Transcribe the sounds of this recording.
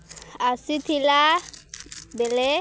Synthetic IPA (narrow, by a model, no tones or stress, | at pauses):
asitʰila | bɛlɛ